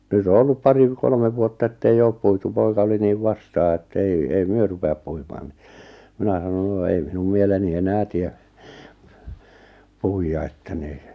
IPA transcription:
nyt o olːup pɑri ʋ kolmeʋ ʋuotːɑ etːei oːp puitu poikɑ oli niːʋ ʋɑstɑː etːei ei myø rupeɑp puimɑːn ni minæ sɑnon no ei minum mieleni enæː tie puijːɑ etːæ ni

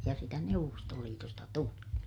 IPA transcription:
jɑ sitæ neuʋːostoliːtostɑ tuli

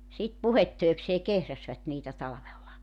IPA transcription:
sit puhetːøi̞kseː kehræsʋæt niːtæ tɑlɑ̆ʋelːɑ

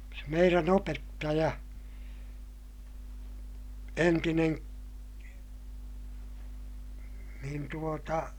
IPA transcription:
se meiræn opetːɑjɑ entinen niːn tuotɑ

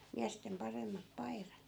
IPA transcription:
miæstem pɑremːɑp pɑi̯rɑt

